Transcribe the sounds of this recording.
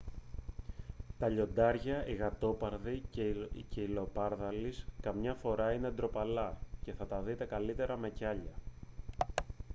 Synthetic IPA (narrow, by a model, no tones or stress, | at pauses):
t̪ɐʎo̞nd̪ɐɾʝɐiɣɐt̪o̞pɐɾðiceilo̞pɐɾðɐliskɐmɲɐfo̞ɾɐined̪ɾo̞pɐlɐce̞θɐt̪ɐðit̪e̞kɐlit̪e̞ɾɐme̞cɐʎɐ